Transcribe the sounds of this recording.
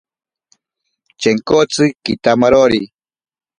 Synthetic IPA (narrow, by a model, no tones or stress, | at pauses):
t͡ʃeŋkot͡sɨkit̪amaɾoɾi